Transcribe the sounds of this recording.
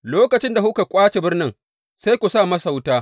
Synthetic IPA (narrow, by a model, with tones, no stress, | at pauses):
loː˦kɐ˨t͡ʃɪ˦nda˨hu˦ka˨kʷʼaː˦t͡ʃe˨bɪ˦rnɪ˦ŋ | sa˦jkʷu˨saː˦˨mɐ˦sa˨wtaː˦